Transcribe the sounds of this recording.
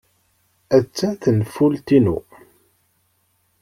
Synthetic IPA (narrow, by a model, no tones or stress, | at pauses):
æt͡sːæθənfult̪inṵ